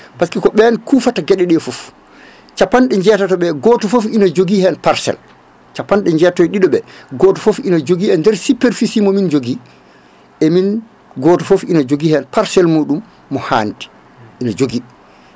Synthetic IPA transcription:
paskikɔɓɛnkufataɡɛɗɛɗɛfof | t͡ʃapːanɗɛɲd͡ʒɛtatɔɓɛɡɔːtɔfofinad͡ʒoɡihɛnpaɾsɛ̰l | t͡ʃapːanɗɛɲd͡ʒɛtɔjɗiɗɔɓɛɡɔːtɔfofinad͡ʒoɡiɛndɛɾsipːɛɾfisimɔmind͡ʒoɡi | ɛmin | ɡɔːtɔfofinad͡ʒoɡihɛnpaɾsɛlmuɗumː | ɔha̰ːnti̥ | ʔinad͡ʒoɡi

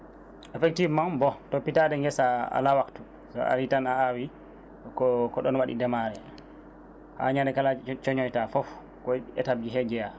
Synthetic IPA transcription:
ɛfɛk̚tivmanbɔtopːitadɛŋɡɛsaa̰lawaktu | sɔ̰a̰ɾitanaawi | kɔkɔɗɔnwaɗḭdɛmaɾɛ | ha̰ɲaɾɛkalat͡ʃɔɲɔjtafɔf | kɔɛtab̚d͡ʒiɦɛɡɛja

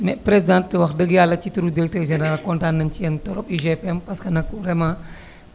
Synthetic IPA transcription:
mɛpɾesidãntːəwɐxdəɡjaːlɐt͡ʃituɾudiɾɛk̚tɛrʒɛnɛɾalkɔntanːɐnt͡ʃijɐntɔɾɔpiʒepɛmpɐskɐnɐk̚uɾɛma

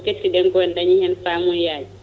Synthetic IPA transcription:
ketːiɗɛŋɡɔɛndaɲihɛnfamujaːli

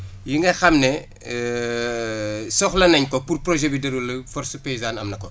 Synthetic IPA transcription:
jiŋɡɐxɐmnɛ | sɔxlɐnɐɲkɔpurprɔʒɛbidɐɾulɐfɔrsupeizaːnɐmnɐkɔ

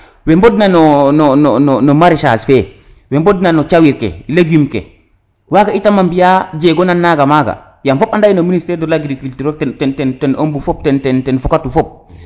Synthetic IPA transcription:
wembodnanononononomaɾiʃa̰sfe | wembodnanot͡ʃawiɾkḛileɡjumkḛ | wakaitamambijad͡ʒeɡonanːaɡamaɡa̰ | jamfopandajinoministɛɾdolaɡɾikultiɾok̚tɛtɛntɛntɛnombufop̚tɛntɛntɛnfukatufop̚

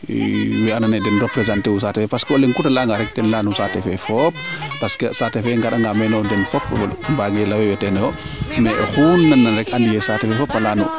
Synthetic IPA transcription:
wɛananɛdɛnɾɔpɾɛzantewusatɛfɛpaskɛɔlɛŋkutalaŋɡaɾɛk̚tɛnlanusatɛfɛfɔpːaskɛsatɛfɛŋɡaɗaŋɡamɛnɔdɛnfɔpmbaŋɡɛlawɛwɛtɛnɛwɔ | mɛʔɛ̰hunːanːanɾɛkʔandijɛsatɛfɛfɔpːalanɔ

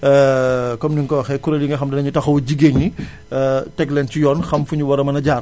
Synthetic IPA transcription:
kɔmniŋkɔːxɛkuɾɐliŋɡɐxɐmdɐnɐɲutɐxɐwɐɟiɡeɲːi | tɛɡlɛncijɔnxɐmfuɲuwɐɾɐmɐnɐɟaːr

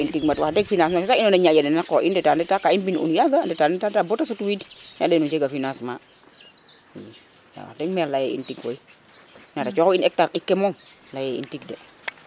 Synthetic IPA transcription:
intiɡmatwahdɛɡfinansmaʃisainoneɲad͡ʒadenakoʔindɛtandɛtakainbinṵnjaɡandɛtanɛtatabotasutuwidɲa̰denunt͡ʃeɡafinasma | na̰wa̰dɛɡmɛɾlajeḭntiɡwo̰i | natat͡ʃɔkɔinɛk̚taɾɗikːemoŋlajeḭntiɡde

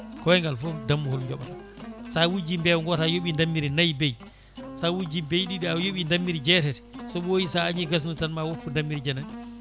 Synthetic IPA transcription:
kɔwɛŋɡalfɔdamːuhɔlɲd͡ʒɔ̰ɓata | sawud͡ʒimbɛwŋɡɔtajoɓindamːiɾinajbej | sawud͡ʒimbejɗiɗiajoɓindamːiɾid͡ʒɛtɛtɛ̥sɔɓojisaːɲiɡas̬nutanmawokːundamːiɾid͡ʒanaɗi

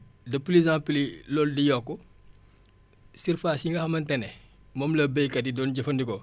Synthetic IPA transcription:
dɐpulezãːplilɔldijɔkːɔ | sirfasiŋɡɐxɐmɐntɐnɛ | mɔmlɐbəjkɐdidɔːnɟɐfɐndikɔ

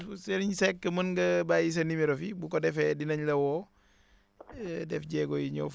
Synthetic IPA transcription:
seɾiɲsɛkːəmɐnɡɐbajis̬ɐnimiɾofibukɔdɛfɛdinɐɲlɐwɔː | dɛfɟɛɡɔjiɲɔ̰f

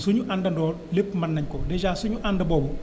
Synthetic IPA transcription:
suɲuʔandɐndɔː | lepːmɐnːɐɲkɔdɛd͡ʒaːsuɲuʔandɐbɔːbu

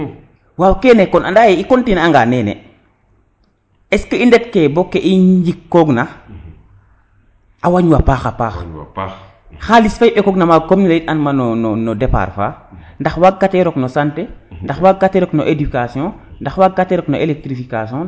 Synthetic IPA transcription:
waːwkɛːnɛkɔnandajeikontinaŋɡanɛːnḛ | ɛskəindɛtkebokːeʔiɲd͡ʒikːɔɡna | ʔawaɲwapaːxapaːx | xalisfajiʔɛkɔɡnamakomɲilaitanmanonɔnɔdepa̰ɾfa̰ːndaxwaɡɡatɛɾɔknosantendaxwaɡɡatɛɾɔknoʔedykasjɔ̃ndaxwaɡɡatɛɾɔknoʔelek̚tɾifikasɔ̃

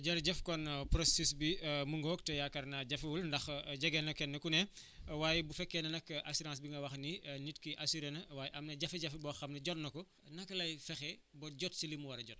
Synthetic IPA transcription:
ɟɐɾɟɛfkɔnprɔsisbimuŋɡɔːk̚tɛjakɐrnɐɟɐfwulndɐxɟɐɡɛnɐkːɛnːɐkunɛ | waːjɛbufɛkːɛnɐnɐkːʔɐsiɾãːs̬biŋɡɐwɐxninitkiʔɐsiɾɛnɐwaːjʔɐmnɐɟɐfiɟɐfibɔːxɐmnɐɟɔtnɐkɔ | nɐkːlɐjfɛxɛbɔɟɔtsilimuwɐɾɐɟɔt

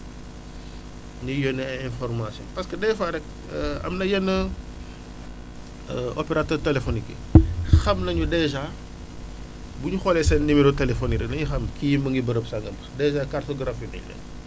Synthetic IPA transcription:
ɲujɔnɛɛnfɔrmasjɔ̰npɐskədɛjfaɾɛk̚ | ɐ̰mnɐjɛnːə | ɔpɛɾatɛːrtɛlefɔnikḛxɐmnɐɲudɛʒa | buɲuxɔlɛsɐnnimiɾotɛlɛfɔniɾɛnɐɲuxɐmkijimbɐŋɡibəɾəpsaŋɡɐmbdɛzaːkartoɡɾafunɐ̰lɛ̰

